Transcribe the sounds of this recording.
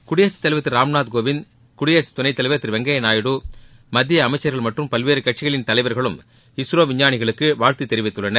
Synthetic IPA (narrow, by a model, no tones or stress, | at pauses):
kʊɽɪjɐt͡ʃːɐ̥t̪ːɐlɪʋɐt̪ːɪɾɾaːmnaːt̪̚ɡoːʋɪn | kʊɽɪjɐt͡ʃɯ̥t̪ʊnɐɪt̪ːɐlɪʋɐt̪ːɪɾʋɛŋɡɐjɐnaːjɪɽu | mɐd̪ːɪjɐːmɐɪt͡ʃːɐɾɣɐɭmɐʈrɯmpɐlʋeːɾɯkɐʈt͡ʃɪɣɐɭɪnt̪ɐlɐɪʋɐɾɣɐɭɯm | ɪsɾoːʋɪɲːaːnɪɣɐɭɯkːɯʋaːɻt̪it̪ːɛɾɪʋɪt̪ːɯɭːɐnɐɾ